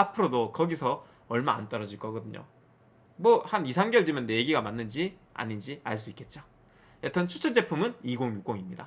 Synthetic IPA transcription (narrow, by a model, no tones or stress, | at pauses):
apʰɯɾodokʌɡisʰʌ | ʌɭma̰ːnt͈ʌɾʌd͡ʑiɭk͈ʌɡʌdɯɲo̰ | mwʌhanisʰaŋɡjʌɭdimjʌnːeɡiɡamanːɯnd͡ʑia̰ɲind͡ʑiaɭs̬͈uik͈e̞t̚t͡ɕ͈o | jetʰʌnt͡ɕʰu̥t͡ɕʰʌd͡ʑ͈e̞pʰumɯniɡoŋjuk͈woŋimɲida